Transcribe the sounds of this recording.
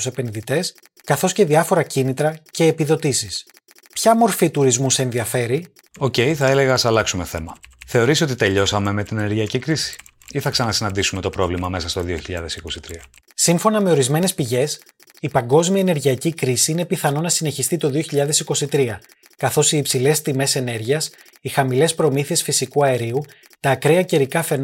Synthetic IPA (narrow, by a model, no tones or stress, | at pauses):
use̞pe̞nðit̪e̞s | kɐθo̞sce̞ðiɐfo̞ɾɐcinit̪ɾɐce̞ːpiðo̞t̪isis | pçɐmo̞ɾfit̪uɾizmuseenðiɐfe̞ɾi | o̞ce̞jiθɐe̞le̞ɣɐːsɐlɐksume̞θe̞mɐθe̞o̞ɾiso̞t̪it̪e̞ʎo̞sɐme̞me̞t̪inene̞ɾʝiɐcikɾisi̥ | iθɐksɐnɐsinɐnd̪isume̞t̪o̞pɾo̞vlimɐme̞sɐst̪o̞ðioçiʎɐ̰ðe̞siko̞sit̪ɾiɐ | siɱfo̞nɐme̞o̞ɾizme̞ne̞spiʝe̞s | ipɐŋɡo̞zmiɐeneɾʝiɐcikɾisiine̞piθɐno̞nɐsine̞çist̪it̪o̞ðio̞çiʎɐðe̞siko̞sit̪ɾiɐ | kɐθo̞siːpsile̞st̪ime̞se̞ne̞ɾʝiɐs | ixɐmile̞spɾo̞miθie̞sfisikuɐeɾiu | t̪ɐːkɾeɐceɾikɐfe̞n